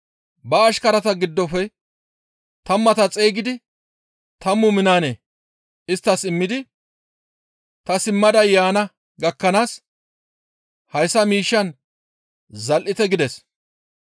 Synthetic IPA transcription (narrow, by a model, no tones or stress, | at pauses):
bɐːʃkɐɾɐt̪ɐɡɪd̪ːɔfɛ | t̪ɐmːɐt̪ɐt͡sʼeːɡɪd̪ɪ | t̪ɐmːʊmɪnaːneː | ɪst̪ːɐsɪmːɪd̪ɪ | t̪ɐsɪmːɐd̪ɐjːaːnɐ | ɡɐkːɐnaːs | hɐjsːɐmiːʃːɐn | zɐlʔɪt̪ɛɡɪd̪ɛs